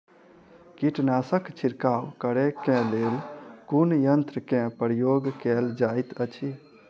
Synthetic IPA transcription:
kiʈnasəkt͡ʃʰiɾkawkəɾekẽlelkunjənt̪ɾəkẽpɾjoɡkɛld͡ʒajt̪ət͡ʃʰi

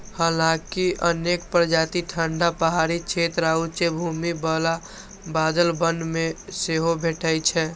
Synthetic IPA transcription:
həlakiʔənekpɾd͡ʒat̪iʈʰəɳɖapəɦaɾit͡ʃʰet̪ɾaut͡ʃebʱumibəla | bad̪əlbənɖmeseɦobʱeʈʰəjt͡ʃʰɛ

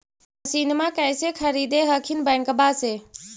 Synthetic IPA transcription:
əsiːnmãkəjsekʰəɾiːd̪eɦəkʰinbəŋkəbaːseː

